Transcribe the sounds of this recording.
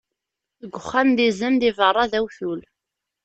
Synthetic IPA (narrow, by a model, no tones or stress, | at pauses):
θəɡʷːəχːænðizænðɪvərˤːɑðæwθul